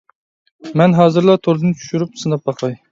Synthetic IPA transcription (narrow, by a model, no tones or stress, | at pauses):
mɛnɦɑːzɨɾlˠɑt̪ʰoɾd̪ɨnt͡ʃʰy̥ʃyɾyp̚sɨnɑp̚bɑqʰɑj